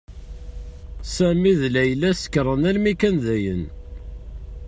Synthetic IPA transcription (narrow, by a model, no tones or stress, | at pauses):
sæmiðlæjlæsə̥kːɾˤənælmikænðæjə̰n